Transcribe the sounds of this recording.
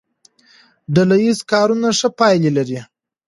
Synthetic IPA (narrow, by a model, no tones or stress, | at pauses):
ɖalajizkɑɾunaʂəpɑjlelaɾi